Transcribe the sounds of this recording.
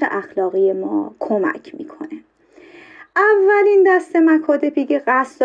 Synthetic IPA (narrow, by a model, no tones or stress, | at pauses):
ḛʔæxlɒːɣije̞mɒ̰ːkʰo̞mæ̰cʰmḭːkʰo̞̰ne | ʔævːælind̪æst̪e̞mækʰɒːd̪e̞piɡeɢæsd̪